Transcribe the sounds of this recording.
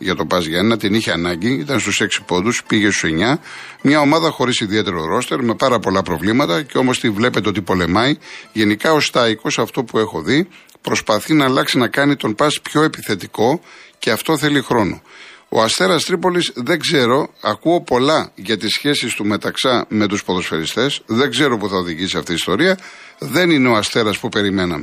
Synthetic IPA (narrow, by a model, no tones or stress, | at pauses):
ʝɐt̪o̞pɐzʝɐnɐt̪iniçeɐnɐɲɟiit̪ɐnst̪use̞ksi̥po̞nd̪uspiʝe̞st̪u̥seɲɐmɲɐo̞mɐðɐxo̞ɾisiðie̞t̪e̞ɾoɾo̞st̪e̞ɾme̞pɐɾɐpo̞lɐpɾo̞vlimɐt̪ɐceo̞mo̞st̪ivle̞pe̞t̪eot̪ipo̞le̞mɐjʝe̞nikɐo̞st̪ɐiko̞sɐft̪o̞pue̞xo̞ði | pɾo̞spɐθinɐːlɐksinɐkɐnit̪o̞npɐspço̞e̞piθe̞t̪iko̞ce̞ɐft̪o̞θe̞lixɾo̞no̞̰o̰ɐst̪e̞ɾɐst̪ɾipo̞lisðe̞ɡze̞ɾo̞ɐkuopo̞lɐʝɐt̪isçe̞sist̪ume̞t̪ɐksɐme̞t̪uspo̞ðo̞sfe̞ɾist̪e̞sðe̞ŋɡze̞ɾo̞puθɐoðiʝisiɐft̪iːst̪o̞ɾiɐ | ðe̞nineo̞ɐst̪e̞ɾɐspupe̞ɾime̞nɐ̰me